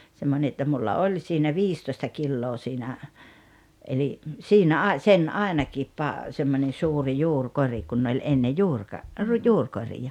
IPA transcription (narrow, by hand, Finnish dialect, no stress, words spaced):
semːone etːæ mulːɑ olʲ siːnæ ʋiːstoĭstɑ kilːoː siːnæ eli siːnæ ɑˑi̞ sen ɑˑenɑkiːp pɑ semːonʲen̞ suːri juːrkori kun olʲ enːe juːrkɑ ru juːrkorijɑ